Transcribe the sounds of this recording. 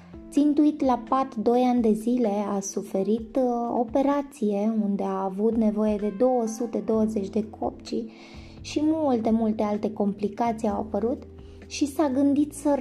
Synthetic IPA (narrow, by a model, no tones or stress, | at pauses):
t̪sint̪uit̪lapat̪d̪o̞janʲd̪e̞zile̞asufe̞ɾit̪o̰pe̞ɾat̪sije̞und̪e̞aːvut̪ne̞vo̞je̞d̪e̞d̪o̞wəsut̪e̞d̪o̞wəze̞t͡ʃʲd̪e̞kʰo̞̰p̚t͡ʃi | ʃimult̪e̞mult̪e̞alt̪e̞ko̞mplikat̪sijawpəɾut̪ | ʃisaɡɨnd̪it̪sə